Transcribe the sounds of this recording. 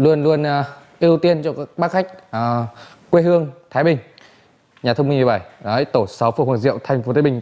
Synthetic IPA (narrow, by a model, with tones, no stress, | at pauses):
lu˧ənlu˧ənʔaː˨˩ʔi˧əwt̪i˧ənt͡ɕɔ˧kaː˦˥k̚ɓaː˦˥k̚xa˦˥jk̟̚ʔ | kwe˧ɦɨ˧əŋt̪ʰaː˨˦jɓï˨˩ŋ̟ | ɲaː˨˩t̪ʰə˧wŋ͡mmi˧ŋmi˨˩ɓa˧˩jə˦˥jt̪o˧˩sa˨˦wfu˧˩wə˨˩nzḭ˧˨ə˨wt̪ʰa˧jŋ̟fo˨˦t̪ʰa˨˦ɓï˨˩ŋ̟